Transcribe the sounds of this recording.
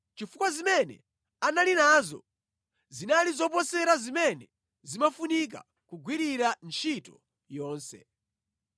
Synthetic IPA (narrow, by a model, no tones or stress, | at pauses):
t͡ʃifukwazimɛnɛ̰ | analinazɔ̰ | zinalizɔp̬ɔsɛɾazimɛnɛ | zimafunik̬a̰ | kuɡʱwiɾiɾant͡ʃʰitɔ | jɔːnsɛ̰